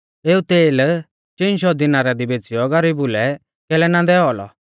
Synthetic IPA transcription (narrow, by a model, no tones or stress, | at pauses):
eːut̪eːl | t͡ʃenʃ̬ɔd̪inaɾad̪ibeːt͡sijɔɡɐɾibʊlɛ | kɛlɛnãːnd̪ɛɔlɔ̰